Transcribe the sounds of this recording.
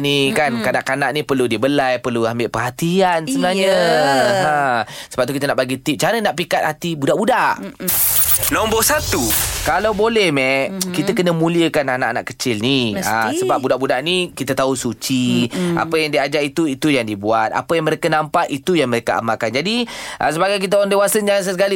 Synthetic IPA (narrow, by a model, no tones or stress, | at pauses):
nikankanaʔkanaʔnipərludibəlajpərluambɪʔpəɦat̪ianssəbənaɲə | assəbap̚t̪ukit̪ənaʔbaɡit̪ip̚t͡ʃaɾənaʔpikat̪̚hat̪ibudaʔbudaʔ | lɔmbɔhsat̪ukalawbolɛhmɛkit̪akənəmũliəkananaʔana̰ʔkət͡ʃɪlniasəbap̚budaʔbudaʔnikit̪at̪ausut͡ʃia̰pəjaŋdiad͡ʒaɾit̪uit̪ujaŋdibuat̪̚a̰pəjaŋməɾekanampaʔit̪ujaŋməɾekaʔa̰makand͡ʒadiʔə̰s̬əbaɡajk̬it̪̬aandewasənd͡ʒaŋans̬əsəkali